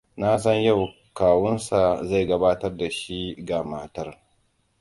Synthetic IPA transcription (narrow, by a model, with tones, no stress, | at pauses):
na˦s̬ɐ˦ɲja˦˨w | kaː˨wʊ˦nsa˨za˦˨jɡɐ˦baː˦tɐ˦rda˨ʃi˦ɡa˨maː˨tɐ˦r